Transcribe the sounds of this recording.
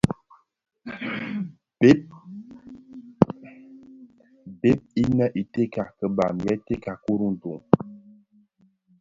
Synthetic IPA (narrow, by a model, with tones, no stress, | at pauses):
be˦p̚i˦nɛ˦ʔi˨te˦ka˨kə˨ba˨mjɛ˦te˦ka˨ku˦ɾu˦n̩˨du˨ŋ